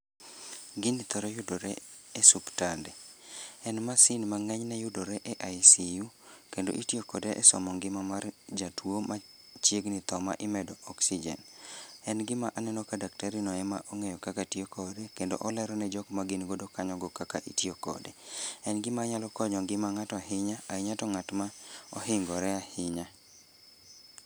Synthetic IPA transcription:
ɡɪnit̪ɔɾɔjʊdoɾɛ̰ɛsuptandɛɛnmasɪnmaŋɛɲnɛjʊdoɾɛʔɛʔajsijukendo̰ʔitjokɔdɛʔɛsɔ̰mɔŋɡɪmamard͡ʒatwomat͡ʃjeɡnit̪ɔma̰ʔɪmɛdɔɔksid͡ʒɛ̰nɛnɡɪmaʔanɛnɔkadaktaɾinɔɛmaʔoŋejɔkakatiokɔdekendo̰ʔɔlɛɾɔnɛd͡ʒɔkmaɡɪnɡodokaɲɔɡɔkakaʔitiokɔ̰dɛɛnɡɪmaɲalɔkɔɲɔŋɡɪmaŋatɔaɦɪɲaaɪɲatɔŋatmaɔɦɪŋɡɔɾɛahɪɲa

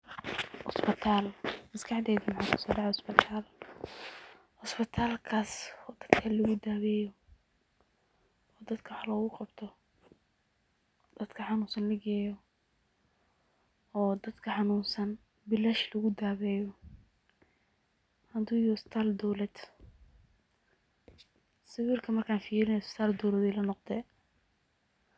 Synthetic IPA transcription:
ʔʊsbɪt̪ʰaːlmɐskʰɑħd̪ɛːðimħaːkʰʊ̥sɔːɖɑʕɛɔsbɪt̪ʰaːl | hʊsbɪt̪ʰaːlkʰaːsɔd̪ɐd̪kʰɐlɐɣʊd̪aːβɛːjɔ | ɔːd̪ɐd̪kʰɐħɑlɔɣʊqɑbt̪ʰɔ | d̪̥ɐd̪̥kʰɐħɑnuːnsɐnlɐɡɛːjɔ | ɔːd̪ɐd̪kʰɐħɑnuːnsɐn | bɪlaʃlɐɣʊd̪aːβɛːjɔ | hɐd̪uːjɔst̪ʰaːld̪ɔwlɛd̪ | sɪwiːrkʰɐmɐrkʰaːnfiːɾɪnɛjst̪ʰaːld̪ɔwlɛd̪ɛlɐnɔqd̪ɛː

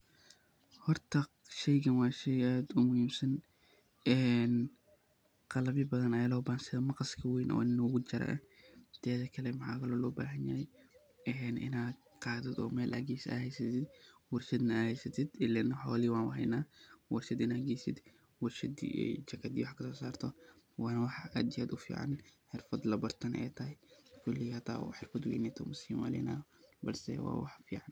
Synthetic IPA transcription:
hɔrt̪ʰɐ | ʃɛjɣɐnwɑːʃɛjʔaːd̪ʊmʊhiːmsɐn | ʔɛːn | qɑlɐβɪbɐðɐnɐjaːlɔːbaːnsɪðɐmɑqɑskʰɐweːnʔɔ̰ːnɪnːɔːɣʊt͡ʃɐɾɐ̰ʔɐ̰ | d̪̥ʰɛːðɐkʰɐlɛmħa̰ːkʰɐlɔːlɔːba̰ːɦɐnjaːɛj | ʔɛːnʔɪ̰naːd̪ | qɑːðɪd̪ɔ̰ːmɛːlhɐ̰ɡeːsa̰ːhɛjsɐt̪ʰɪd̪wʊɾʃɐd̪nɐahɛjsɐt̪ɪd̪ɪlɛnɐħoːliwaːnwɐhɐ̰jnawɐɾʃɪd̪ɪnɐɡisɪd̪ | wʊɾʃɪd̪̰t͡ʃɐkɐd̪iwaħkɐsoːsaːɾt̪ʰɔ | waːnɐwɐħad̪ɪjɐd̪ʊfḭːʕa̰nħɪɾfɐt̪lɐbɐɾt̪ɐnʔḛːt̪ʰɐjkʊlːɪhɐt̪a̰ːṵħɪɾfɐt̪wḭjnit̪omʊsimɐ̰lɪ̰nabɐ̰lsɛ̰wa̰ːwaħfiːʕan

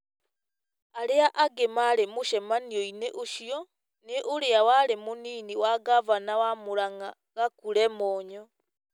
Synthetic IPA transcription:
aɾeaʔaɡemaɾemoʃɛmaniɔineʔoʃiɔ | neʔoɾeawaɾemoniːniwaɡavanawamoɾaŋa | ɣakuɾɛmɔːɲɔ

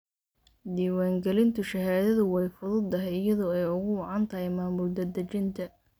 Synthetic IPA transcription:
d̪iːwaːŋɡɛlɪnt̪ʰʊʃɐɦaːðɐðʊwɛjfʊðʊd̪ːɐɦɛjɪjɐðɔːɛjʊɣʊwɑʕɑnt̪ʰɐɦɛjmaːmʊld̪ɐd̪ɐt͡ʃɪnt̪ʰɐ

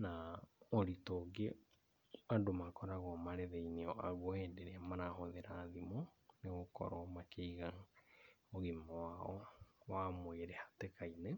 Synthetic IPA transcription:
naɔɾitoɡe | adomakɔɾaɣɔmaɾeðeineɔʔaɣwɔhɛndeɾeamanahoðeɾaːðimo | neɣokɔ̰ɾɔmakeiɣaŋ | oɣemɔwaɔwamweɾehatekaine

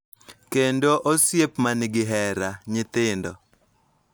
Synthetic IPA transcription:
kendoʔosjepmanɪɡɪɦɛɾaɲɪt̪ɪndɔ̰

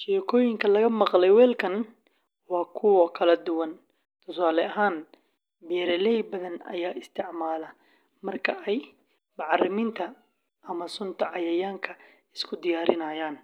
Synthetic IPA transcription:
ʃɛːkʰɔːjɪŋkʰɐlɐɣɐmɑqlɛjwɛːlkʰɐn | wɑːkʰʊwɔkʰɐlɐd̪ʊwɐn | t̪ʰʊsaːlɛɐɦaːn | bɛɾɛlɛjbɐðɐnɐ̰jaːɪst̪ʰɪʕmaːlɐ | mɐrkʰɐʔɛj | mɑʕɑrɪmɪnt̪ʰɐ | ʔɐmɐsʊnt̪ʰɐʕɑjɐjaːŋkʰɐ | ɪskʰʊd̪ɪjaːɾɪnɐːjaːn

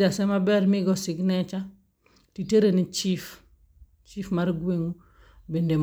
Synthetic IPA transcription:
asemabɛɾmiɡosiɡnet͡ʃa | titeɾenit͡ʃif | t͡ʃifmaɾɡweŋu | bindem

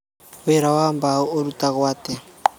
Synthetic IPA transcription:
ʊɛɾawaːmbaoɾutaɣwaːtɛ

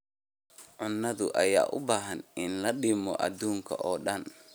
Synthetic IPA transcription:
ʕʊnːɐðʊ̰ʔɐja̰ːʔʊbaːɦɐnɪnlɐɗɪmɔʔɐd̪uːŋkʰɐʔɔːɗɐn

